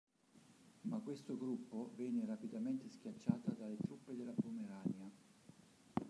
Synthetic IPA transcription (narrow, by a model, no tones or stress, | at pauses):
makːwest̪oɡɾupːovɛːnerapid̪ament̪esk̟jat͡ʃːaːt̪ad̪alet̪ɾupːed̪elːapumeɾanja